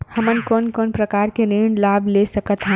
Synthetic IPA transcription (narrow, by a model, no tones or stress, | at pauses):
həmənkɔːnkɔːnpɾəkaːɾkeɾeɳɖlaːblesəkət̪ɦɛ̃ː